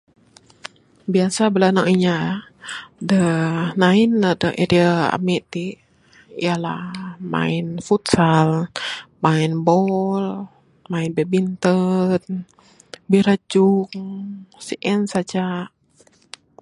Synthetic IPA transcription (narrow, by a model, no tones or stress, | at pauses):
biasabəlanaŋiɲa | dənaɪnadəʔeɾiaa̰miʔt̪i | ḭjala̰hma̰infut̪salmainbɔl | mainbebint̪ət̪̚ | biɾəd͡ʒuksiʔɛnsad͡ʒa